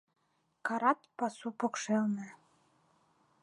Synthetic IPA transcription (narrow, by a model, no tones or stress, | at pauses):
kɑɾɑt̪pɑsupokʃelnĕ